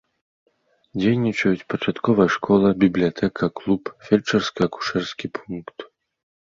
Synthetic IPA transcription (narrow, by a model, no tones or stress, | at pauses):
d͡zʲejnʲit͡ʂɐjut͡sʲpɐt͡ʂat̪kɔvɐjʂkʰɔlˠɐbʲiblʲijat̪ʰɛkʰɐklˠupfʲɛlʲt͡ʂɛrskɐku̥ʂɛrskʲipʰunkt̪